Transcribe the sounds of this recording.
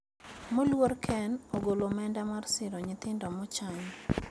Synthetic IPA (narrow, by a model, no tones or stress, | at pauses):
molworkʰɛnoɡolomɛndamarsɪɾɔɲɪt̪ɪndɔmɔt͡ʃaɲ